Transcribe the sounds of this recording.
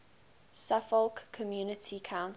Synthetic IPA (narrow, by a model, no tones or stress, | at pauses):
safɔlkʰːɔmjuːnətʰikʰãʊ̃n